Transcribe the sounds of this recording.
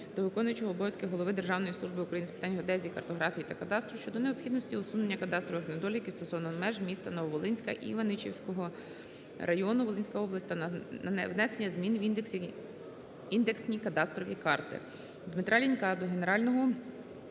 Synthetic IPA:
d̪̥ɔʋɪkɔnʊjʊt͡ʃɔɦɔːbɔjʲsʲkɪɦɔlˠɔʋɪd̪e̞rʒɑwnɔjisˠuʒbɪukɾɐjinɪspɪ̥t̪ɑnʲɦɔd̪ɛzʲiikɐrt̪ɔɦɾɑfʲijit̪ɐkɐt̪ɑst̪ɾɔʃt͡ʃɔd̪ɔneɔpxʲid̪nɔsʲtʲiɔsunenʲːɐkɐt̪ɑst̪ɾɔʋɪxnɐd̪ɔlʲikʲist̪ɔsɔʋnɔɦɔmɛʒmʲist̪ɐnɔʋɔʋɔlˠɪnʲsʲkɐ̰ʔḭʋɐnɪt͡ʃiwsʲkɔɦɔ | rʔɐjɔnʊʋɔlˠɪnʲsʲkɐɔblˠɐsʲt̪ʲɐɐ̰ʋnɛsenʲːɐzmʲinwi | ind̪eksʲnʲikɐt̪ɑst̪ɾɔʋʲikɑrt̪ɪ̰ | d̪mɪt̪ɾʔɑlʲinʲkɑd̪ɔɦe̞neɾɑlʲnɔɦɔ

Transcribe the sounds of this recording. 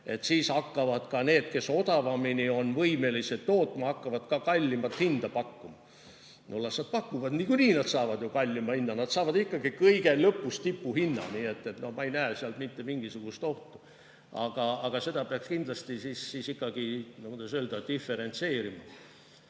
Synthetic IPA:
e̞t̪ːsiːsɑkːɑvɑd̪̥kɑne̞ːd̪̥ke̞so̞d̪ɑvɑminio̞nvɤjme̞liset̪ːo̞ːt̪ːˑmɑɑkːɑvɑd̪̥kɑkɑlʲːimɑt̪hind̪̥ɑpɑkːumɑ | nulːɑsnɑt̪̚pɑkːuvɑd̪̥niːkuniːnɑd̪sɑːvɑd̪̥jokɑlʲːimɑhinːɑnɑd̪sɑːvɑd̪ikːɑɡ̥ikɤjɡe̞lɤpːˑust̪ipːuhinːɑ̰niːe̞t̪ːˑe̞t̪no̞hmɑe̞jnæːseɑlt̪mit̪ːe̞miŋɡ̥isuɡ̥ust̪o̞ht̪u̥ | ɑ̰ɡ̥ɑɑɡ̥ɑse̞d̪̥ɑpeɑkskind̪̥lɑst̪isiːsːisikːˑɑɡ̥inomud̪esøːld̪ɑd̪̥ifːe̞ɾe̞nt̪se̞ːɾimɑ

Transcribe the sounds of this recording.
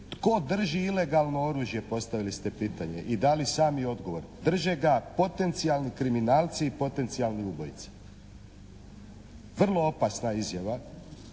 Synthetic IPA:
t̪ko̞d̪r̩ʒiile̞ɡalˠno̞o̞ɾuːʒje̞po̞st̪aʋilist̪e̞piːt̪aɲe̞̰ʔid̪alisaːmio̞d̪ɡo̞ʋo̞ɾd̪r̩ʒeɡapo̞t̪e̞nt̪sijalˠnikɾiminaːlˠt̪siːpo̞t̪e̞nt̪sijalniubo̞jit̪si̥ | ʋr̩lˠo̞o̞pasnaizjaʋa

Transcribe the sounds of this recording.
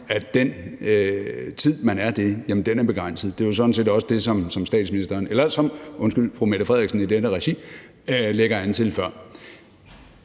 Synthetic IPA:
æd̥en | t͡sʰið̰ˠmænæɐd̥e̝jæmənd̥enæɐb̥e̝ɡ̥ʁan̰səð̞̩ˠd̥e̝josɒ̽dn̩s̬e̝̰ːdɒ̽səd̥e̝sɒ̽msɒ̽msd̥ɛ̰ːd̥sminisd̥ɐːnelɐsɒ̽mʔɔ̽nsɡ̥yl̰fʁumeɾ̥ɐfʁɛð̰ˠiɡsn̩id̥enəʁɛɕi | leɡ̥ɐænt͡sʰe̝lfɶɐ̰

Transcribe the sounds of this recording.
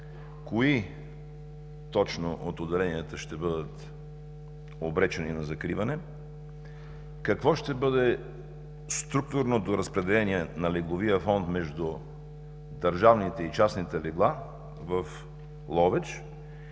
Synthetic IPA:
koi | t̪ɔt͡ʃnoʔot̪od̪ɛlɛniət̪əʃt̪ɛbɤd̪ət̪ | obɾɛt͡ʃɛninɐzɐkɾivɐnɛ | kɐkvɔʃt̪ɛbɤd̪ɛ | st̪ɾuk̚t̪ʊɾnod̪oɾɐspɾɛd̪ɛlɛniɛnɐlɛɡlˠoviəfɔnt̪mɛʒd̪u | d̪ɐɾʒavnit̪ɛit͡ʃasnit̪ɛlɛɡlˠa | vəf | lˠɔvɛt͡ʃ

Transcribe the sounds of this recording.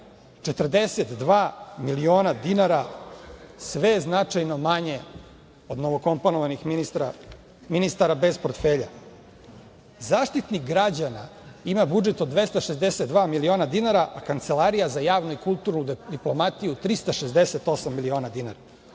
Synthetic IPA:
t͡ʂet̪r̩d̪eset̪d̪ʋaːmilio̞ːnad̪inaɾa | sʋe̞znat͡ʂajno̞maɲe | o̞d̪noʋoko̞mponoʋanix | minist̪aɾabe̞zpo̞ɾt̪feːʎa̰ | zaːʂt̪it̪niɡɾad͡ʑanaimabud͡ʒet̪od̪ːʋe̞st̪aʃezd̪eset̪d̪ʋaːmilio̞ːnad̪inaɾaʔakant̪selˠaɾijazajaːʋnoikulˠt̪uɾnud̪d̪iplo̞mat̪ijut̪ɾist̪aʃezd̪eset̪o̞samːilioːnad̪inaɾa

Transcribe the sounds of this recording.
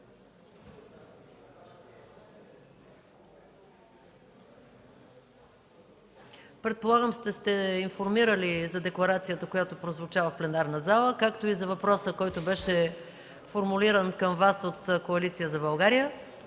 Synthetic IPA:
pɾɛt̪̚polˠaɡəmst̪ɛst̪ɛinfoɾmiɾəlizɐd̪ɛklˠɐɾat̪sijət̪əkojat̪opɾozvot͡ʃavəfplɛnaɾnəzalˠəkakt̪oizɐvɐpɾɔsəkɔjt̪ʊbɛʃɛ | foɾmuliɾənkəmvasot̪koɐlit̪sijəzɐbɐlˠɡaɾijə

